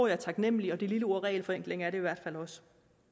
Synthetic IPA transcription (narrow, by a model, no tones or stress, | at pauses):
ɐ̰jɑ̈t͡sʰɑ̈ɡ̥nem̰əliɒ̽d̥ililəoɐ̰ʁɛ̰ːɪlfɒ̽eŋ̰ɡ̥le̝ŋɐæɐɾe̝iʋæɐd̥fælɒ̽sə̥